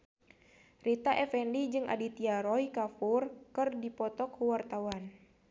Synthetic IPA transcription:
rit̪aʔɛfɛndid͡ʒɨŋʔa̰dit̪iaɾɔikafurkɨrdipɔt̪ɔkuwart̪awan

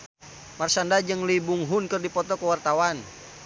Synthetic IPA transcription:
marsandad͡ʒɨŋlibuŋɦʊnkərdipɔt̪ɔkəwart̪awan

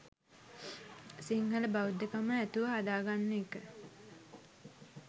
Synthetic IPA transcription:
siŋhələbaud̪ːekaməæt̪uʋɐɦad̪aːɡanːeekə

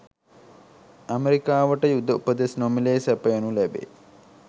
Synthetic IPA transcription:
ameɾikaːʋəʈəjud̪ːəupəd̪esnomileːsæpəjənulæbḛː

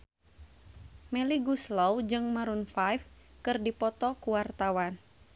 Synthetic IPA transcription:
mɛliɡuslowd͡ʒɨŋmaɾunfajfkɨrdipɔt̪ɔkuwart̪awan

